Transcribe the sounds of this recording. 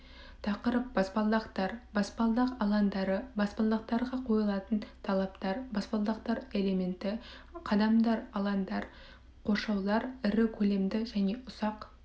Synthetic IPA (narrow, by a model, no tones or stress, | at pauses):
t̪ʰɑqəɾəp̚bɑspɑlˠd̪ɑqt̪ɑɾbɑspɑlˠd̪ɑqɑlˠɑnd̪ɑɾəbɑspɑlˠd̪ɑq̚t̪ɑɾʁɑqʰo̞jəlˠɑt̪ənt̪ʰɑlˠɑpt̪ɑɾbɑspɑlˠd̪ɑqt̪ɑɾe̞le̞me̞nt̪ɪ | qʰɑd̪ɑmd̪ɑɾɑlˠɑnd̪ɑɾ | qʰo̞ʃɑwlˠɑɾɪɾɪkʲʰɵle̞md̪ɪʒæne̞ʔʊsɑq